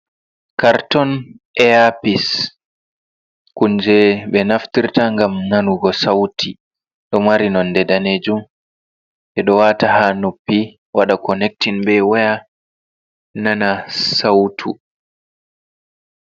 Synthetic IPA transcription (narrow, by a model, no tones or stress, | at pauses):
kaɾtɔn | ɛapis | kuɲd͡ʒɛɓɛnaftiɾtaŋɡamnanuɡɔsawtʰi | ɗɔmaɾinɔndɛdaneːd͡ʒum | ʔɛɗɔwatahanupːi | waɗakɔnɛk̚tinbɛwaja | nanasawtʰu